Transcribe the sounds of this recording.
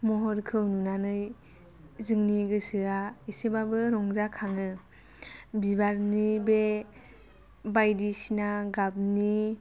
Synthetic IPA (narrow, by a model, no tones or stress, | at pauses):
mɔɦɔɾkʰɯwnunanɯj | zɯŋniɡɯsɯaisebabɯɾɔŋzakʰaŋɯ | bibaɾnibe | bajdisinaɡab̚ni